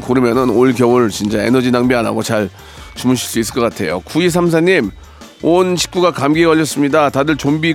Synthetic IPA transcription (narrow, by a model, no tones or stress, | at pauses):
koɾɯmjʌnɯnoɭkjʌwɯɭɭt͡ɕint͡ɕ͈aenʌd͡ʑinaŋbiana̰ɡot͡ɕaɭ | t͡ɕumɯɭɕʰiɭs͈uis͈ɯɭk͈ʌk͈atʰe̞̰jo̰kuis̬ʰams̬ʰaɲim | onɕʰi̥k̚k͈uɡakamɡiɡʌʎːʌs͈ɯmɲidatadɯɭt͡ɕombi